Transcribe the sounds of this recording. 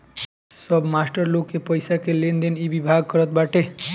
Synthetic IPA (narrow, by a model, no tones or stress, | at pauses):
sʌbmasʈəɾlokːepəjsakelend̪enibibʱaɡ̚kʌɾət̪̚baʈe